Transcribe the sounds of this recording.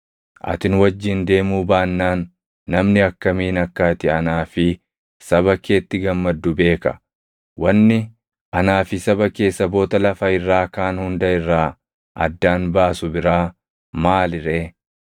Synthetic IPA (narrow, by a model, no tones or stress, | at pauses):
ʔɐ̰t̪ɪnwɐd͡ʒːɪnd̪e̞ːmuːbaːnːaːnː | ɐmnɪɐkːɐmiːnɐkːat̪ɪɐnaːfɪ | sɐβɐkeːt̪ːɪɡɐmːɐd̪ːʊbe̞ːkɐ̰ | wɐnːɪ | ʔɐnaːfɪsɐbɐke̞ːsːɐbo̞ːt̪ɐlɐfɐɪrːaːkaːnhʊnd̪ɐɪrːaː | ʔɐ̰d̪ːaːnbaːsʊbɪɾaː | maːlɪɾeː